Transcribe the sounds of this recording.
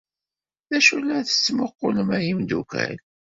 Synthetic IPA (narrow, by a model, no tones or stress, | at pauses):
ðæʃulːæθə̥t͡sːmʊqːʊləmæjimd̪ukæ̰l